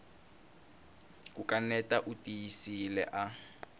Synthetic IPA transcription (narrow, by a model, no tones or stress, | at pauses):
kukanɛtʼaʔutʼijisilɛ̰ʔa